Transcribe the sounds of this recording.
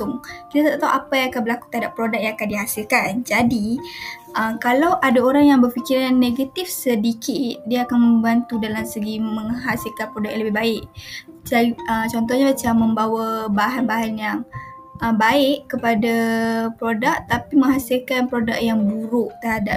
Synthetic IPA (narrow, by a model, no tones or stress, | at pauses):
tʊŋkit̪at̪at̪at̪ːawʔapajãŋakanbəlaku̥t̪əɦadapːɾodak̚jaŋakandiɦasilkand͡ʒadiʔəmkalawʔadaoɾaŋjaŋbərfikiɾanːeɡat̪ifsədikʰɪt̪̚diaakanməmbant̪udalamsəɡiməŋɦasilkanpɾodak̚jaləbɪbaɪʔ | d͡ʒaiət͡ʃɔnt̪ɔhɲabat͡ʃamːə̃mbawabaɦanbaɦanjaŋ | ʔəmbaɪʔkːəpadapɾodak̚t̪apimə̃ŋɦasilkanpɾodak̚jaŋbuɾʊʔt̪əɦada